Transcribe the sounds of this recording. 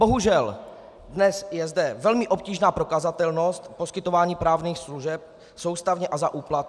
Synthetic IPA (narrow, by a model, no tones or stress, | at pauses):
bo̞ɦuʒɛl | dnɛsjɛzdɛvɛlmɪʔo̞p̚ciːʒnaːpɾo̞kazat̪ɛlno̞st̪po̞skɪt̪o̞vaːɲiːpɾaːvniːxsluʒɛp̚ | so̞wst̪avɲɛʔazaʔuːplat̪̚